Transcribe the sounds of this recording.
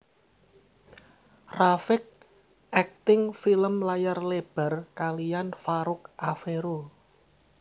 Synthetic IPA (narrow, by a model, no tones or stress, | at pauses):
rafɪk̚ | ʔɛk̚t̪ɪŋfiləmlajarleb̥a̤rkalijanfaɾʊk̚ʔafeɾo